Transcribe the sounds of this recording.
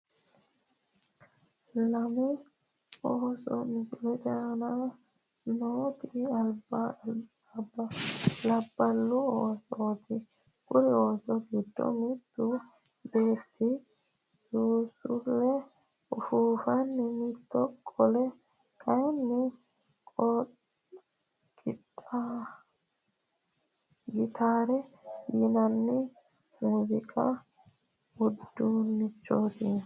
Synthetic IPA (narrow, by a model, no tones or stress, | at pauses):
lɐmʊ | oːsɔ̰mɪsɪlɛt͡ʃʼana | noːt̪ɪɐlba | bːɐlɐbːɐlːʊoːsɔt̪ʰɪ | kʼʊɾɪoːsɔɡɪd̪ːɔ̰mɪt̪ːʊ | be̞ːt̪ʰːɪ | suːsʊlːɛ | ʊfuːfɐnːɪmɪt̪ːɔkʼːɔlɛ | kʰɐjnːɪ | kʼɔ | kʼːɪt̪ʼːa | ɡɪt̪ʰaːɾɛjɪnɐnːɪ | muːzɪkʼɐ̰ | ʊd̪ːunːɪt͡ʃːo̞ːt̪ɪ